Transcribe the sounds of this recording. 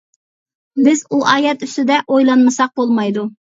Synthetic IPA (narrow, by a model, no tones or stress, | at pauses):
bɪzuʔɑːjɛt̪yst̪ɪd̪ɛʔojlˠɑnmɨsɑq̚bolˠmɑjd̪u